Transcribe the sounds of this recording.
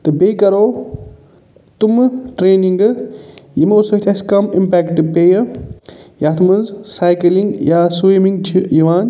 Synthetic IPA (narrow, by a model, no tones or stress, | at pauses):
t̪ɨbeːkɐɾoː | t̪umʈɾeːniŋɡ | jimosɐt̪ʰʲɐskɐmimpɛːkʈpeːjɐ | jaːt̪ʰumɐnzsaːjkɐliŋɡjaːswimiŋɡʰjiʋaːn